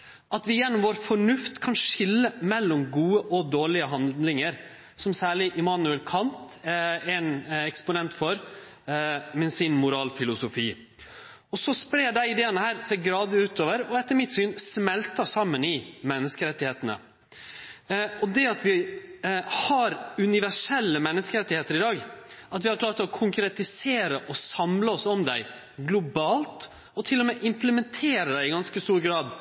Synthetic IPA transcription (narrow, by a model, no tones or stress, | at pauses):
ʔɑt̪ʋɪjɛnːɔmʋɔːɾfɔɳʉft̪kʰɑnʂɪlːəmɛlːɔmɡuːəʔɔd̪oːɭɪəɦɑnd̪lɪŋəɾ | sɔmsæːɭɪʔɪmɑːnʉɛlkʰɑnt̪ | ɛnɛkspʊnɛnt̪fɔɾ | mɛsɪnmʊɾɑːlfɪlʊsʊfiː | ɔsɔspɾeːɖæɪɪd̪eːənəhæːɾseːɾɡɾɑːd̪ɪʉːt̪oːʋəɾɔɛt̪ːəɾmɪt̪syːnsmɛlt̪ɑsɑmːənɪmɛnːəskəɾɛt̪ːɪheːt̪ənə̰ | ɔd̪ɛɑt̪ʰʋɪ | hɑɾʉnɪʋæʂɛlːəmɛnːəskəɾɛt̪ːɪheːt̪əɾɪd̪ɑːɡɑt̪ʋɪhɑɾkʰlɑːɾt̪ɔkʰʊŋkɾɛt̪ɪseːɾəʔɔsɑmləɔsɔmd̪æɪ | ɡlʊbɑːlt̪ | ɔt̪ʰɪlːɔmɛːʔɪmpləmɛnt̪ʰeːɾəd̪æɪɪɡɑnskəst̪uːɾɡɾɑːd̪